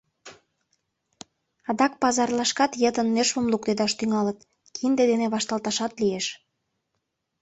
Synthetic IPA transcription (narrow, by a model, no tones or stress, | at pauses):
ɑd̪ɑk̚pɑzɑrlɑʃkɑt̪jət̪ənːerʃəmlukt̪ed̪ɑʃt̪yŋɑlət̪ | kʰind̪ed̪eneβɑʃt̪ɑlt̪ɑʃɑt̪lieʃ